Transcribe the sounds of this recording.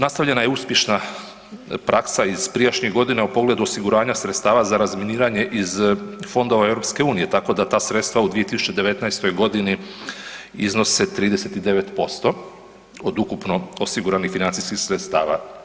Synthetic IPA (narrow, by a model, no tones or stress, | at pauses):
nast̪aʋʎe̞najeuspjeʃna | pɾʔaksaiz̥pɾijaʃɲiɣɡo̞d̪inaupo̞ɡle̞d̪uosiɡuɾaːɲasɾet̪st̪aːʋazaɾazminiːɾaɲe̞ʔizfo̞nd̪o̞ʋaevɾo̞pske̞uːnije̞t̪ako̞d̪at̪aːsɾe̞t̪st̪ʋaud̪ʋiet̪isut͡ɕe̞d̪eʋe̞t̪najst̪o̞jɡo̞d̪ini | izno̞set̪ɾiːd̪e̞se̞t̪id̪e̞ʋe̞t̪po̞st̪o̞ | od̪ukupno̞osiɡuɾanixfinant̪siskixsɾet̪st̪aːʋa